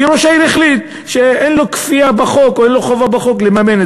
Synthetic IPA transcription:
ɾoʃaiɾiχlit̪̚ | ʃeenlokfiabaχo̞koenloχovabaχoklemamene

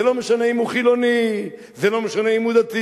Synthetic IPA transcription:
elomeʃaneimuχilo̞ni | zelo̞meʃaneimud̪at̪i

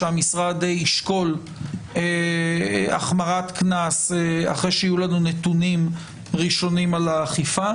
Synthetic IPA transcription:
eamisʁad̪eiʃko̞l | e | a̰χmaʁat̪knasea̰χʁejʃeijulanunet̪unim | ʁiʃo̞nimalaːχifa

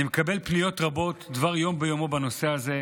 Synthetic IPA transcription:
imekabe̞lpnijo̞t̪ʁabo̞tdvaʁjo̞mbejo̞mo̞bano̞se̞aze̞

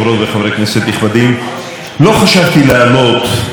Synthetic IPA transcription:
vɾot̪veχavɾekneset̪niχvad̪im | lo̞χaʃavt̪ileamot̪

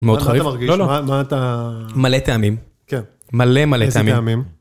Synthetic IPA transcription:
meod̪χaʁivvaʁɡilolomat̪amalet̪eamim | ken | malemaleeamimamim

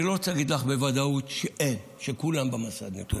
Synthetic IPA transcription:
lot͡saaɡid̪laχbevad̪aut̪ʃʔel | ʃekulambemasa̰d̪nḛt̪ṵ

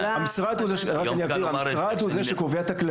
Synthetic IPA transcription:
amisʁad̪huzeʃʁakaniadilamiisʁad̪huzeʃekoveat̪akla

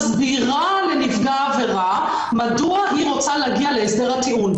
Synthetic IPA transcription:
zbiʁa | le̞nifɡaːve̞ʁa | maduaɦiʁo̞t͡saleaɡialeesde̞ʁhat̪iun

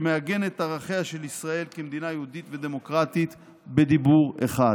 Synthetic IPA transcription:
meaɡe̞net̪aʁaχeaʃe̞lisʁae̞lkemd̪inajeud̪it̪ve̞d̪e̞mo̞kʁat̪it̪ | be̞d̪ibuʁḛχa

